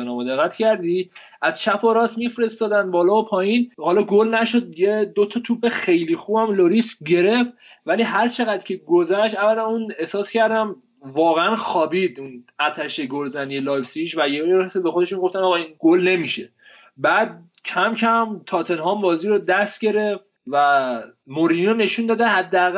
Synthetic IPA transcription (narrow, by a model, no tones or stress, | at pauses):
nɒmod̪e̞ɣːæt̪cʰæɾd̪i | ʔæz̥t͡ʃʰæpʰoɾɒːsmifɾe̞st̪ɒːd̪ænbɒːlɒːopʰɒːjinhɒːlɒɡolnæʃo̞d̪jed̪ot̪ʰɒt̪ʰuːbe̞xe̞jlixuːbæmloɾist̪ɟe̞ɾe̞f | væliɦæɾt͡ʃʰe̞ɣæd̪̥cʲʰe̞ɡo̞zæʃt̪ævːælænune̞hsɒːscʰæɾd̪æm | vɒːɣeænxɒːbid̪unæt̪ʰæʃe̞ɡolzænijelɒːjbsiʃvæjeɾsebexod̪e̞ʃunɡo̞ft̪ænɒɣɒinɡolne̞miʃe̞ | bæːd̪̚ | cʰæmcʰæmt̪ʰɒːt̪ʰe̞nhɒːmbɒːziːɾod̪æst̪ɟe̞ɾe̞ft̪væmoɾinone̞ʃund̪ɒːd̪æhæd̪ːeæɣ